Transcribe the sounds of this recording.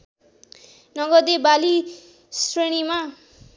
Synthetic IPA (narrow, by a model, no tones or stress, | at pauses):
nʌɡʌd̪ebali | sreɽ̃ima